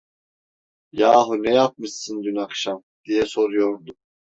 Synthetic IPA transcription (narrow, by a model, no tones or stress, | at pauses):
jaːɦunɛjap̚mɯʃɯnd̪ynakʃam | d̪̥ijɛsoɾujoɾd̪u